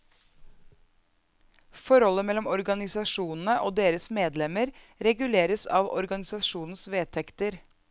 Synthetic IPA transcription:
fɔɾhɔlːəmɛlːɔmɔɾɡɑnɪsɑʂuːnn̩əʔoːd̪eːɾəsmeːd̪lɛməɾ | ɾɛɡʉleːɾəsɑ̰ːʋɔ̰ɾɡɑnɪsɑʂuːnn̩sʋeːt̪ʰɛkt̪əɾ

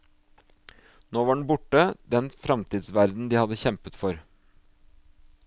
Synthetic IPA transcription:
noːʋɑːɖɳ̩bʊʈəd̪ɛnfɾɑmt̪ʰiːd̪sʋæɾd̪n̩d̪iːhɑd̪əçɛmpət̪fɔɾ

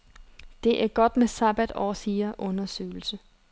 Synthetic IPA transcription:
d̥e̝ʔæɐɡ̥ɒ̽d̥mesɑb̥æd̥ɒːsiːɐʔɔ̽nɐsø̰ːl̩sə

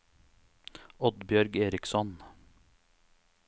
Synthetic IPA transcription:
ɔd̪bjœɾɡeːɾɪksɔn

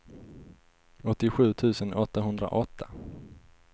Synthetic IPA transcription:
ɔt̪ːɪɧʉ̟ːt̪ʰʉ̟ːsənɔt̪ːaɦɵnd̪ɾa̰ʔɔt̪ʰːa

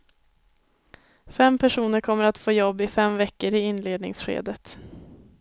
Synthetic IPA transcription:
fɛmpʰæʂuːnəɾkʰɔmːəɾat̪foːjɔbːɪfɛmvɛkːəɾɪɪnleːd̪nɪ̰ŋsɧḛːd̪ət̪

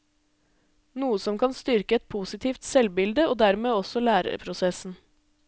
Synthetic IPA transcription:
nuːəsɔmkʰɑnst̪ʏɾkəɛt̪̚pʰuːsɪt̪ʰiːft̪sɛlbɪld̪əoːd̪æɾmeːɔsɔlæːɾə̰ɾpʰɾʊsɛsn̩

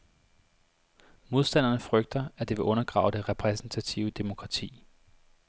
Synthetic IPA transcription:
mo̝ðˠsd̥æn̰ɐnəfʁœɡ̥̚d̥ɐæd̥eʋe̝ʔɔ̽nɐɡ̥ʁɑ̰̈ʊd̥e̝ʁɛpʰʁɛsn̩t͡sʰæt͡sʰiʊəd̥e̝mo̝kʰʁɑ̈t͡sʰḭː

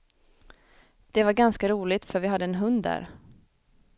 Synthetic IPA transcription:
d̪̥ɛvaɾɡanskaɾuːlɪt̪fœɾvɪɦad̪ːəɛːnɦɵnd̪ːæ̰ːɾ

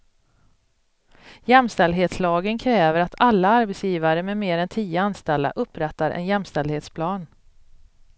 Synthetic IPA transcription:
jɛmst̪ɛld̪ɦeːt̪slɑːɡənkʰɾɛːvəɾat̪ʰalːaaɾbɛt̪sjiːvaɾəmɛmeːɾɛnt̪ʰiːəanst̪ɛld̪a̰ʔɵpːɾɛt̪ːaɾʔɛ̰njɛmst̪ɛld̪heːt̪spʰlɑːn

